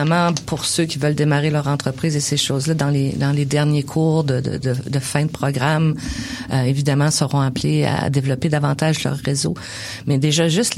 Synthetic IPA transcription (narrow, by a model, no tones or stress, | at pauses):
amɑ̃pʰʊʁsøkʲivœld̪emaʁelœʁɑ̃t̪χəpʁiːzeseʃɔːzlʌd̪ɑ̃led̪ɑ̃led̪ɛʁnjekʰuːʁd̪əd̪ə̰d̪əd̪əfɛ̃d̪əpχɔɡʁamøevid̪amɑ̃səʁɔ̃aplea̰d̪evlɔped̪avɑ̃t̪aʒlœ̰ʁːezo | mɛd̪eʒʌʒʏst̪